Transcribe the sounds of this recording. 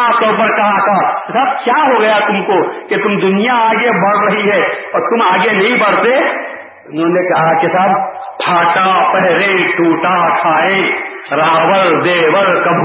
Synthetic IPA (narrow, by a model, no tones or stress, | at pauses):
aːp̚t̪ɔːpəɾkɐɦak̪akesaːb̚kjaːɦoɡɐjat̪ʊmkoket̪ʊmd̪ʊnijaaːɡebɐɽɾɐɦiɦɛːɔːɾt̪ʊmaːɡenɐɦĩbɐɽt̪e | ʊnɦõːnekɐɦakesaːb | pʰaːʈapɛɦlẽːʈuːʈakʰaːẽː | ɾaːwəɾd̪eːwəɾkɐbʱ